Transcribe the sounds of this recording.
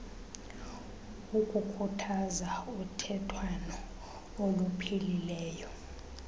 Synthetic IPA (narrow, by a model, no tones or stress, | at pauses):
ukʼukʰutʰazautʰɛtʰwanɔ | olupʰililɛːjɔ